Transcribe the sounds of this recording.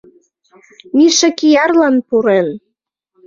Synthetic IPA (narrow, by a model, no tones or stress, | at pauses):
miʃə̆kijɑrlɑnpuɾen